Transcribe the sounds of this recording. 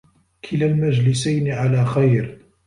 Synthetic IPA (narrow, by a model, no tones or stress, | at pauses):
kʰɪlalmad͡ʒlɪsajnɪʕalaːxajɾ